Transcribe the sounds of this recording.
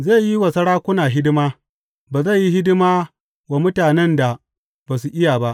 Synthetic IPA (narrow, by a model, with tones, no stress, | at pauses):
zeː˦˨ji˦wɐ˨sɐ˦ɽaː˦kʷʊ˦naː˨ɦɪ˦dɪ˦maː˦ | baː˨za˦˨ji˦hɪ˦dɪ˦maː˦ | wa˨mʊ˦taː˨nɛ˦nda˨ | baː˨su˨ʔɪ˦jaː˨ba˦ʔ